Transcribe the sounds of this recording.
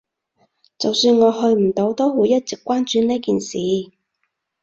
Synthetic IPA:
t͡sɐ˨wsyː˧nŋɔː˨˧ɦɵ˧ɥm̩˨˩t̪o˨˥wt̪o˥whuː˨˥jɐ˥t̚t͡sɪ˨kːʷwaː˥nt͡ʃyː˨˧neː˥kiː˨nsiː˨˧

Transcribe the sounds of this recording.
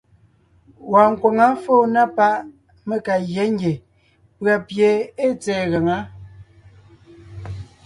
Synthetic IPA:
wa˨ŋ˨ko˨ŋa˦fo˦˨na˦pa˦ʔ | me˦˨ka˨ɣje˦ŋ˦ɡʲe˨ | pɰa˨pje˨e˦˨t͡sɛː˨ɣə˨ŋa˨˦

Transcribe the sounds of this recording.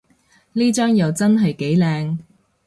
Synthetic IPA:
liː˥t͡ʃœː˥ŋjɐ˨wt͡sɐ˥nɦɐ˨jke˨˥jlɛː˨˧ŋ

